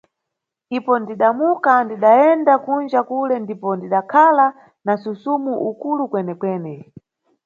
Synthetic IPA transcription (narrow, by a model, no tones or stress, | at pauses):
ipɔndiɗamukandiɗaɛndakund͡ʒakulɛndipɔndiɗakʰala | nasusumuʔukulukwɛnɛkwɛːnɛ